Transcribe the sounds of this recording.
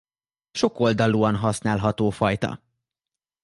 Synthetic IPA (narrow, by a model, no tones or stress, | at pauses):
ʃo̞ko̞ld̪ɒluːɒnɦɒsnaːlɦɒt̪oːfɒjt̪ɒ̰